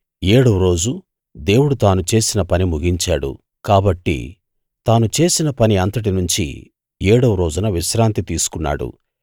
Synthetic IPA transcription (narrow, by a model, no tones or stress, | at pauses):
eːɽɐʋɾo̞ːd͡ʒu | d̪e̞ːwuɽut̪aːnut͡ʃe̞ːsinɐpɐnimuɡiɲt͡ʃaːɽṵ | kaːbɐʈːḭ | t̪aːnut͡ʃe̞ːsinɐpɐniɐnt̪ɐʈ̬inuɲt͡ʃḭ | jeːɽɐʋɾo̞ːd͡ʒunɐʋiʃɾaːnt̪it̪iːsu̥kunːa̰ːɽṵ